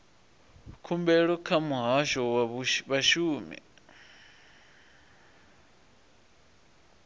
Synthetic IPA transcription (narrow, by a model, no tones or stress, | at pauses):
kʰumbɛɺɔkʰamuɦaʃɔwaβaʃuːmḭ